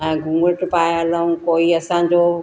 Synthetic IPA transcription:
ɛ̃ːɡʱʊ̃ŋɡəʈpaːjaləũkoːiɐsãːɲ̆d͡ʑoː

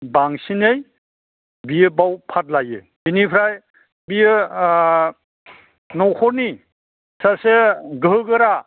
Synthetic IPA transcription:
baŋsinej | bijɯbawpʰat̚lajɯ̰ | inipʰɾaj | bijɯ | nɔwkʰɔɾni | saseɡɯɯɡɯɾa

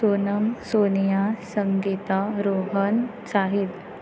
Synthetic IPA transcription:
sonəmsonijasəŋɡit̪aɾoɦən | saɦit̪

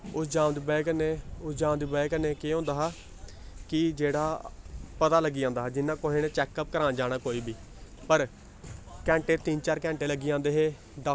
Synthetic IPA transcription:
ʊsd͡ʒaːmd̪iːbɛːkneːʊsd͡ʒãːʋd̪iːbɛːkneːkeːɦõːnd̪aːɦaː | kɪd͡ʒeːɽaːpət̪aːləɡːiːd͡ʒãːnd̪aːɦɛːd͡ʒɪnːãːkoɦeːneːt͡ʃɛːkːəp̚kəɾãːnd͡ʒaːɽaːkoːiːbiː | pəɾ | kɛ̃ːɳʈeːt̪ɪnt͡ʃaːɾkɛ̃ːɳʈeːləɡiːãːnd̪eːɦeː | d̪a

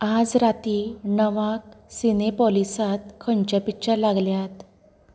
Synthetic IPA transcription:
ad͡zɾat̪inəʋaksinepɔlisat̪̚kʰːəɳt͡ɕapikɕəɾlaɡljat̪

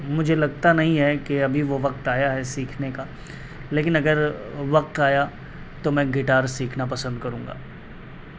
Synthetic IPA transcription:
mʊd͡ʒʱelɐɡ̚t̪anɐɦĩɦɛkeɐbʱiʋoʋɐq̚t̪aːjaɦɛsiːkʰneka | leːkɪnɐɡəɾʋɐq̚t̪aːja | t̪omɛ̃ɡɪʈaːɾsiːkʰnapɐsə̃nd̪̚kɐɾũːŋɡa̰ː

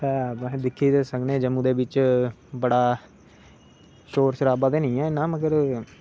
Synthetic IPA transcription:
pɛːmɛ̃d̪ɪkʰːiːd̪eːsəknẽːd͡ʒəmːũːd̪eːʋɪt͡ʃbəɽaː | ʃoːɾsəɾaːbaːd̪eːnəĩːɛ̃ːɪnãːməɡəɾ

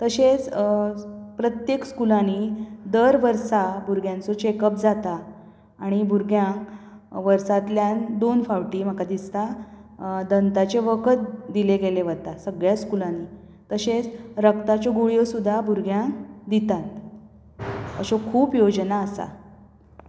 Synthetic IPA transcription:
t̪əɕet͡s | pɾət̪jekskulanid̪əɾʋəɾsabuɾɡʱjant͡sɔt͡ɕekəp̚d͡zat̪aː | ɽ̃ibʱuɾɡjãk | ʋəɾsat̪ljand̪onfaʋʈiːm̤əkad̪ist̪a | d̪ənt̪at͡ɕeʋəkət̪̚d̪ileɡeleʋət̪asəɡɭjaskulanːi | t̪əɕet͡sɾəkt̪at͡ɕɔɡuɭjosud̪ʱːabʱuɾɡʱjãŋd̪it̪at̪ | ə̰ɕɔkʰuːpjod͡ʑnaəsa̰

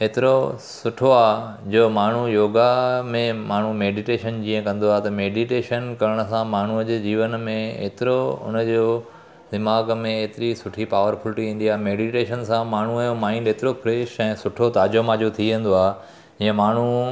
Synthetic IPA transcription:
eːt̪ɪɾosʊʈʰoaːɦd͡ʑoːmaːɳ̤ujoːɡamẽmaːɳ̤umeːɖiʈeːʃənd͡ʑĩːə̃kɐ̃nd̪oaɦt̪ɐmeːɖiʈeːʃənkɐɾəɽ̃ə̆sãmaːɳ̤uəd͡ʑeːd͡ʑiːʋənmẽḛːt̪ɪɾoʊ̰nəd͡ʑoː | d̪ɪmaːɡmẽeːt̪ɪɾisʊʈʰipaːʋəɾfʰʊlʈiĩːn̆d̪iaːɦmeːɖiʈeːʃənsãmaːɳ̤ũjomaːɪ̃nɖeːt̪ɪɾopʰɾeːʃɛ̃ːsʊʈʰot̪aːd͡ʑomãːd͡ʑot̪ʰiʋẽnd̪oaː | d͡ʑiːə̃maːɳ̤u

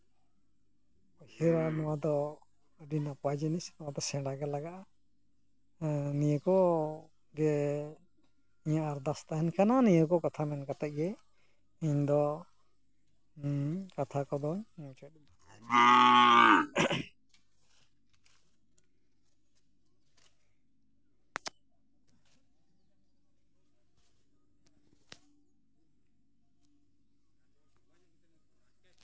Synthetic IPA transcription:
ɔhɛɾanɔwad̪ɔ | ɖinapɔwad͡ʒinisnɔwad̪ɔsɛɽaɡɛlaɡaʔa | nijəkɔ | ɡɛ | iɲaʔaɾd̪ast̪aɦɛnkʰananijəkɔkat̪ʰamɛnkat̪aʔ̚ɡɛ | iɲd̪ɔ | kat̪ʰakɔd̪ɔɲnɔt͡ʃɛt̪̚d

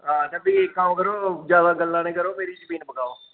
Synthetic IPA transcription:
ɦãːd͡ʒəbiːkaːõkəɾoːd͡ʒjaːd̪aːɡəlːãːnẽːkəɾoːmeːɾiːd͡ʒəmiːnpəɡaːoː

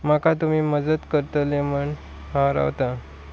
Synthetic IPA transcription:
makat̪umiːməd͡zəd̪kəɾt̪əleməɳ | hãɾa̰ʋt̪a

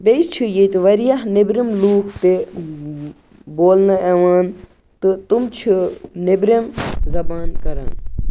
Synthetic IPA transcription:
bejt͡ʃʰijet̪ʋɐɾijaɦnebɾimluːkʰt̪e | boːlnɐɛʋaːn | t̪ɨt̪umt͡ʃʰinebɾemzɐbaːnkɐɾa̰ːn

